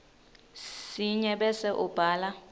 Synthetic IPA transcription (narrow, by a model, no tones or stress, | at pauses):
siɲɛɓɛsɛʔub̥ʱaːla